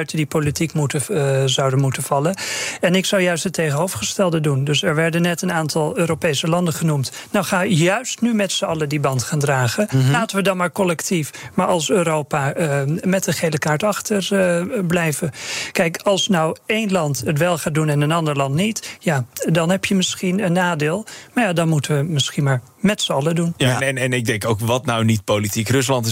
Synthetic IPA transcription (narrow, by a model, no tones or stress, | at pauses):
ɥtədipolitikmutəzawdənmutəv̥ɑlənɛnɪksʌwjœɥstətːejχənɦowvχəstɛlˠdədundɵsɛɹʋɛɹdənːɛtənaːntʰɑlˠøːɾopejsəlɑndəχənumtnawχaːɪjœɥstnymɛtsəɑlədibɑntχaːndraːχəlaːtəʋədɑnmaːɹkɔlɛktifmaːɹɑlˠsøːɾowpamɛtəχejləkaːɹtɑχtərblɛjvəkɛjkɑlˠsnɔwejnlɑntətʋɛlˠχaːdunɪnənɑndəɹlɑntnitjadɑnɦɛpjəmɪsχinənːaːdeːlˠmaɹjaːdɑnmutəʋəmɪsχinmaːɹ | mɛtsəɑlədunnɛnɪɡ̚dɛŋkowkʋɑtnawnit̚politikrɵs̬lɑntɪ